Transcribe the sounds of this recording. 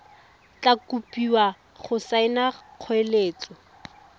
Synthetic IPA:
t͡ɬakupiwa | χʊsaɪnaq͡χʰweleːt͡sɔ

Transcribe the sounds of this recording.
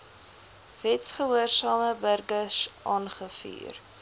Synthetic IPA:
vɛtsχəɦuərsɑːməbərɡəsʔɑːnχəfy̰ːr

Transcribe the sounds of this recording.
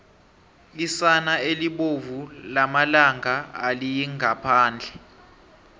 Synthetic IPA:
kisanaeliɓovulamalaŋaalijiŋapʰaːnd͡ɮʱɛ

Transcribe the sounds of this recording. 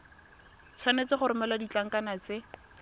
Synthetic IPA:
t͡sʰwanet͡sɪχʊɾʊmɛlwadit͡ɬaŋ̩kʼanat͡sɪ

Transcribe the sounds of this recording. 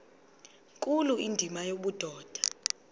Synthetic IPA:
kʼuluindʱimajoɓud̥ʱɔːd̥ʱḁ

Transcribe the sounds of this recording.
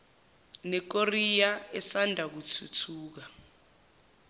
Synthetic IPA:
nɛk̬orijaɛsandʱak̬ut͡sʰut͡sʰuːk̬a

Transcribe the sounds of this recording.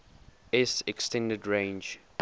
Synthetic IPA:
ɛsɛkstɛ̃ndədɹẽɪ̃nd͡ʒ

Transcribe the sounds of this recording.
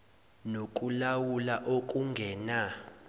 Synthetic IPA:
nokʼulawulaʔokʼuŋɡʱɛːna

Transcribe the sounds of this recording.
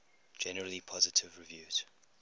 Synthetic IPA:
d͡ʒɛnəɹəlipʰɔzɪtʰɪvɹɪvjʉːz̥

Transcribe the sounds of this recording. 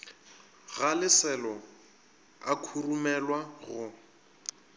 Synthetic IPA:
ɣalɪsɛlɔ | akʰurumɛlwaɣʊ

